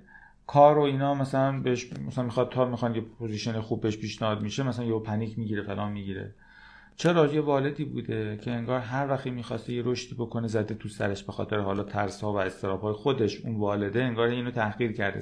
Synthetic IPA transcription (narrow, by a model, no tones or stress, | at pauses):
kʰɒːɾoiːnɒːmæsælænbeheʃmæsælænmixɒd̪̚t̪ʰɒːmixɒnd̪jepʰoziʃenixuːb̚beeʃpʰiːʃnehɒːd̪miʃemæsælænjebopʰæniːkʰmiːɟiːɾefælɒːnmiːɟiːɾḛ | t͡ʃʰe̞ɾɒːjevɒːle̞d̪iːbṵːd̪e̞cʰe̞eŋɡɒːɾɦæɾvæxt̪iːmiːxɒ̰st̪ejeɾo̞ʃt̪iːbo̞kʰo̞nezæd̪et̪ʰusæ̰ɾeʃbe̞xɒ̰ːt̪ʰe̞ɾeɦɒːlɒːt̪ʰæɾshɒːvæest̪eɾɒːbhɒːjexod̪e̞ʃuːnvɒːle̞d̪eeŋɡɒːɾhiːnot̪ʰæhɣiːɾcʰæɾd̪ḛ